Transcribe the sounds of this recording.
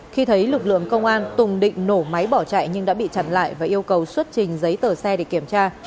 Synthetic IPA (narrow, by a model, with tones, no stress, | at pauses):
xi˧t̪ʰə˨˦jlɨ˨˩k̚lɨ̰˧˨əŋkə˧wŋ͡mʔaː˧nt̪ʊ˨˩ŋ͡mɗḭ̈˧˨ŋ̟no˧˩ma˨˦jɓɔ˧˩t͡ɕa̰ː˧˨jɲɨ˧ŋɗa̰ː˧˥ɓḭ˧˨t͡ɕa˨˩nla̰ː˧˨jvaː˨˩ʔi˧əwkə˨˩wswə˦˥t̚t͡ɕï˨˩ŋ̟zə˨˦jt̪əː˨˩sɛ˧ɗe˧˩ki˧˩əmt͡ɕaː˧